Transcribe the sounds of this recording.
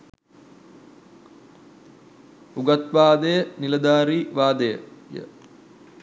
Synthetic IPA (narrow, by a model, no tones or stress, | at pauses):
uɡat̪ʋaːd̪əjənilɐd̪aːɾiːʋaːd̪əjə̰jə̰